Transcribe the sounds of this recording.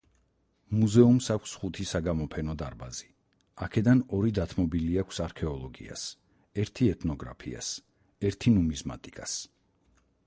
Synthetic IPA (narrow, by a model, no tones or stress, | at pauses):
muzɛumsakʷʰsχut̪ʰisaɡamɔpʰɛnɔd̪aɾbazi | akʰɛd̪anɔɾid̪at̪ʰmɔbiliakʷʰsaɾkʰɛɔlˠɔɡḭa̰s | ɛɾt̪ʰiɛt̪ʰnɔɡɾa̰pʰḭa̰s | ɛɾt̪ʰinumizma̰t̪ʼikʼas